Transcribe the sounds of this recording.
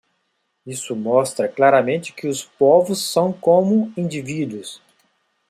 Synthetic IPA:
isʊmɔst̪ɾɐklaɾɐmẽnt͡ʃɪ̥kɪʊspovʊsːɐ̃w̃kõmʊĩnd͡ʒivid̪wʊs

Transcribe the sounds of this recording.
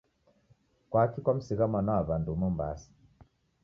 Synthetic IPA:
kwakikwam̩siɣamanaaβandumɔmba̰si̥

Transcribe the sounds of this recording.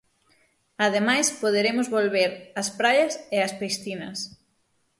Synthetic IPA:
ɐðemajspoðeɾemʊzβolβeɾɐspɾajɐseɐspesθinɐ̰s

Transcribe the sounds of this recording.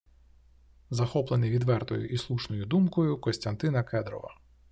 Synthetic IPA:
zɐxɔplˠenɪʋʲid̪ʋɛrt̪ɔ̰jʊ̰ʔislˠuʃnɔjʊd̪umkɔjʊkɔsʲt̪ʲɐnt̪ɪnɐkɛd̪ɾɔ̰ʋɐ̰

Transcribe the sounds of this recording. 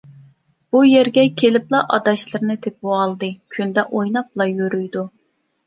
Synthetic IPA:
b̥ujæɾɡʲɛkʲʰelɪplˠɑʔɑd̪ɑʃlˠɨɾnɨt̪ʰep̚uɑlˠd̪ɨkʲʰynd̪ɛʔojnɑp̚lˠɑjøɾyjd̪u

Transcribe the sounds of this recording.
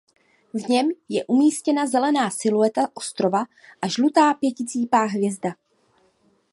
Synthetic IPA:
vɲɛmjɛʔumiːscɛnazɛlɛnaːsɪluɛt̪aʔo̞st̪ɾo̞va | ʔaʒlut̪aːpjɛcɪt͡siːpaːɦvjɛzda

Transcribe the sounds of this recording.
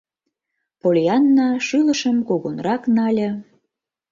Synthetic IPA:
polʲjɑnːɑʃyləʃəmkoɣonrɑknɑlʲə̆

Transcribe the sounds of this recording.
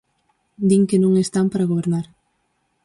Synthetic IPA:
d̪iŋkenõŋest̪ampaɾaɣoβ̞eɾnaɾ

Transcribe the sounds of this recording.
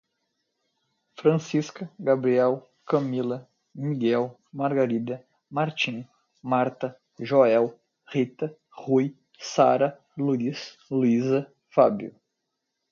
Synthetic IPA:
fɾɐ̃siskɐɡabɾiɛw | kɐmilɐ | miɡɛw | maɾɡaɾid̪ɐ | maɾt͡ʃĩ | maɾt̪ɐ | ʒoɛw | ʁit̪ɐ | huj | saɾɐ | luis | luizɐ | fabjʊ̰

